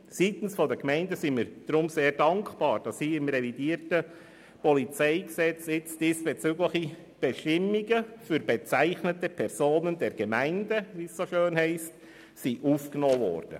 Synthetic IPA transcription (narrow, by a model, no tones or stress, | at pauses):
sit̪n̩sfɔd̪əkmɛɪndəsimiɾd̥ɾʊmseːɾdɑŋkb̥ɑːɾd̥ɑshiːɪmrevidiːəɾtə | pɔlit͡sɛɪksɛt͡sɪt͡sd̥iːsb̥ɛt͡syːɡləχi | b̥eʃtɪmːiɡəfyɾbet͡sæɪχnətəpʰɛɾsoːnəndɛɾɡ̥əmæɪndəʋiːssoʃøːnhɛɪst | siʔuːfknɔːvɔ̰ːrd̥ə̰